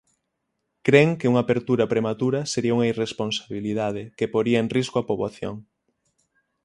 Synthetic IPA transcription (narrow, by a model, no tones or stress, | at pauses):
kɾeŋkeuŋaːpeɾt̪uɾɐpɾemat̪uɾɐseɾiauŋɐiresponsaβilið̞að̞ɪkepoɾiɐenriskoapoβwaθjo̰ŋ